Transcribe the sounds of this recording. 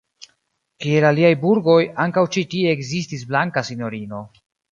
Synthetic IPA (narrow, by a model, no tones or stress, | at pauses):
kielaliajbuɾɡo̞jaŋkawt͡ʃitie̞ːkzistis̬blaŋkasino̞ɾino̞